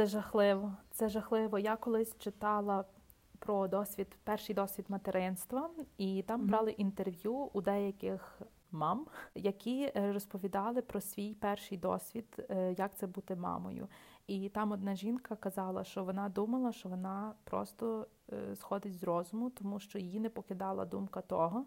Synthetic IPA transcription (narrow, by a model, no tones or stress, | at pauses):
sɛʒɐxlˠɪʋɔt̪sɛʒɐxlˠɪʋɔjakɔlˠɪsʲt͡ʃɪt̪ɑlˠɐ | pɾɔd̪ɔsʲʋʲid̪pɛrʃɪjd̪ɔsʲʋʲid̪mɐt̪eɾɪnst̪ʋɐit̪ɑmbɾɑlˠɪʔint̪erʋʲjuud̪ɛjɐkɪx | mɑmjɐkʲʰiɾɔspɔʋʲid̪ɑlˠɪpɾɔsʲʋʲijpɛrʃɪjd̪ɔ̰sʲʋʲid̪̥jɐk̚t̪sɛbut̪ɛmɑ̰mɔ̰jʊ̰it̪ɑmɔd̪̚nɑʒʲinkɐkɐzɑlˠɐ̰ʃt͡ʃɔʋɔnɑd̪umɐlˠɐʃt͡ʃɔʋɔnɑpɾɔ̰st̪ɔ | sxɔd̪ɪt͡sʲzrɔzʊmʊt̪ɔmuʃt͡ʃɔjjinɛpɔkɪd̪ɑlˠɐ̰d̪umkɐt̪ɔɦɔ